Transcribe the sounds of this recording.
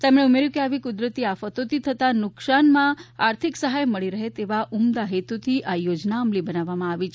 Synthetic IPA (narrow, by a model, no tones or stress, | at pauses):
t̪emɽeumeɾjũkeaʋikʊd̪ɾət̪iafət̪ot̪it̪ʰət̪anʊksanmãaɾt̪ʰiksəɦajməɭiɾəɦet̪eʋaʔumd̪aɦet̪ut̪ʰiʔajod͡ʒnaəmlibənaʋːamãaʋit͡ʃʰ